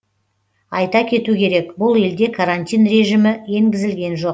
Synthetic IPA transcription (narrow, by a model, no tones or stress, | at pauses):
ɑjt̪ɑkʲʰe̞t̪ukʲʰe̞ɾe̞kbʊlˠe̞ld̪e̞kʰaɾanʲt̪ʲijnre̞ʒimɪje̞ŋɡʲɪzɪlɡʲe̞nʒo̞q̚